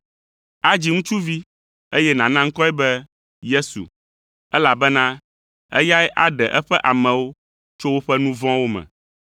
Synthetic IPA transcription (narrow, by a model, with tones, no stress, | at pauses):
a˦d͡ʑi˦ŋũ˦t͡ʃu˦vi˦ | e˦jɛ˦nã˨nã˦ŋ̩˦kɔ˦ɛ˦bɛ˦ | je˦sṵ˨ | ɛ˦la˨bɛ˦nã˦ | ɛ̰˦ja˦ɛ˦ʔa˦ɖɛ˨ʔɛ˦ɸɛ˦ʔa˨mɛ̃˨wo˦ | t͡ʃo˦wo˦ɸɛ˦nũ˦vɔ̃˦wo˦mɛ̰̃˨